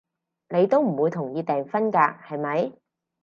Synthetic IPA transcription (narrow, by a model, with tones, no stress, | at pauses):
ne˨˧jt̪o˥wm̩˨˩wuː˨˧jt̪ʰʊ˨˩ŋjiː˧t̪ɛː˨ŋfɐ˥nkaː˧hɐ˨jmɐ˨˥j